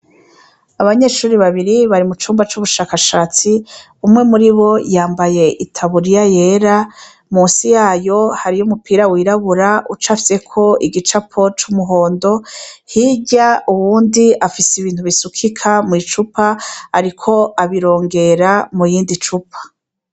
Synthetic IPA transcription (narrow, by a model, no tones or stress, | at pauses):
aβaɲe̞ːʃuːɾiβaβiɾiβaɾimut͡ʃuːmbat͡ʃuβuʃaːkaʃaːt͡si | umŋe̞muɾiβo̞jaːmbaje̞ʔitʰaβuɾijaje̞ːɾa | muːnsijaːjo̞haɾijumupiːɾawiːɾaβuɾaʔut͡ʃafi̥se̞kʰo̞iɡit͡ʃapʰot͡ʃumuɦo̞ːndo̞hiɟauwuːndiafisiβiːntuβisukʰikʰamuit͡ʃupaaɾikʰo̞ʔaβiɾo̞ːŋɡe̞ɾamujiːndit͡ʃupʰḁ